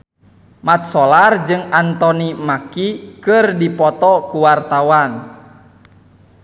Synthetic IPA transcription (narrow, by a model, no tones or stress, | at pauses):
mat̪̚sɔlard͡ʒɨŋant̪ɔnimakikɨrdipɔt̪ɔkuwart̪awan